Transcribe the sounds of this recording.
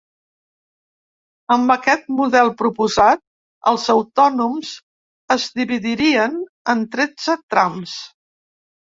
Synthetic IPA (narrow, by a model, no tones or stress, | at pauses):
əmbəkɛt̪̚muðɛlˠpɾupuzat̪̚ | ə̰lˠzəwt̪ɔnumz | əzdiβiðiɾiən | ənt̪ɾɛd͡zət̪ɾams